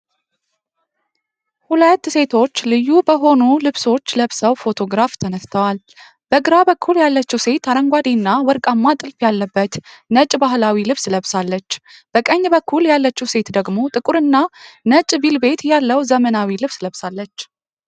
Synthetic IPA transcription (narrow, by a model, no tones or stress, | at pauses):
hulət̪ːse̞t̪ʰo̞t͡ʃːlɨjːubəɦo̞nulɨβso̞t͡ʃːləβsəwfo̞t̪ʰo̞ɡɾaft̪ʰənəst̪ʰəwal | b̥əɡɨɾabəkʰːuljalːət͡ʃːɛwse̞t̪aɾəŋɡʷad̪inːawɔɾkʼamːat̪ʼɨlfjalːəbːət̪nət͡ʃʼbaɦlawilɨβsləβsalːət͡ʃːb̥əkʼəɲːbəkʰːuljalːət͡ʃːɛwse̞t̪d̪əɡmo̞t̪ʼɨkʼuɾɨnːanət͡ʃʼbilbe̞t̪jalːəwzəmənawilɨβsləβsalːət͡ʃː